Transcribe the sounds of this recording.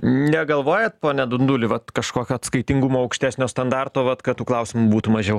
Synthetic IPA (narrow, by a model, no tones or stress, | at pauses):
nʲɛɡɐlˠʋoːjɛt̪poːnʲɛd̪ʊnd̪ʊlʲɪʋɐt̪kɐʃkoːkʲoɐt̪skɐɪt̪ʲɪŋɡumoːɐʊkʃʲt̪ʲæːsʲnʲoːst̪ɐnd̪ɑrt̪oːʋɐt̪kɐtt̪ːuːklˠɐʊsʲɪmubuːt̪umɐʒʲɛʊ